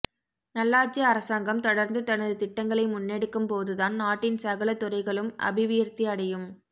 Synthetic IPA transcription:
nɐlːaːt͡ʃɐɐɾɐsaːŋɡɐmt̪ɔɽɐɾnd̪ɯt̪ɐnɐðɯt̪ɪʈːɐŋɡɐɭɐɪmʊnːɛɽɯkːɯmpoːðɯðaːnnaːʈːɪnsɐɣɐɭɐt̪ːɯɾɐɪɣɐɭɯmʔɐ̰bɪʋɪjɐɾt̪iɐɽɐjɯm

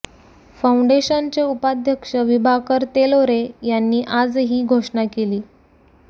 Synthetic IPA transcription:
fauɳɖeɕant͡ɕeupad̪ʱjəkʂəʋibʱakəɾt̪eloɾejanːiːʔad͡zɦiːɡʱoʂɳakeliː

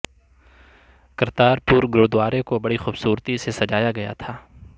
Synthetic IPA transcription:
kɐɾt̪aːɾpuːɾɡɾoːd̪waːɾẽkobɐɽixuːbsuːɾt̪isesɐd͡ʒaːjaɡɐja̰t̪ʰaː

